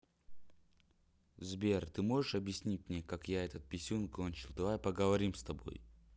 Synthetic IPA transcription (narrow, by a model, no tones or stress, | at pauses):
zbʲert̪ɨmo̞ʐɨʂɐbjɪsʲnʲit̚ʲmnʲekakjaɛt̪ət̪̚pʲɪsʲunkonʲt͡ɕɪlˠd̪ɐvajpəɡəvɐɾʲimst̪ɐbo̞̰j